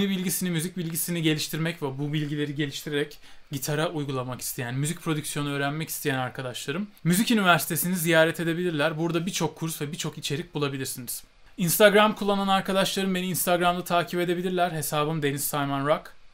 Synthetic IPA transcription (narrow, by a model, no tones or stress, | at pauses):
nibilʲɟisinimyzic̚bilʲɟisiniɟe̞lʲiʃt̪ʰiɾmɛcvɛbubilʲɟilʲe̞ɾiɟe̞lʲiʃt̪ʰiɾeɾɛc | ɟit̪ʰaɾaujɡulˠamaki̥st̪ʰejænmyzic̚pʰɾo̞d̪ycsjo̞nuøːɾænmɛci̥st̪ʰejænaɾkʰad̪aʃlˠaɾɯmːyzicynivæɾsi̥t̪ʰe̞sinizijaːɾɛt̪ʰe̞d̪e̞bilʲiɾlʲæɾbuɾd̪abiɾt͡ʃʰokʰːuɾsvɛbit͡ʃʰo̞kit͡ʃʰe̞ɾic̚bulˠabilʲiɾsiniz̥ | inst̪ʰaɡɾamkʰulˠːananaɾkʰad̪aʃlˠaɾɯmbe̞ninst̪ʰaɡɾamd̪at̪ʰaːkcʰipe̞d̪e̞bilʲiɾlʲæɾhe̞saːbɯmd̪e̞nisːajmanɾak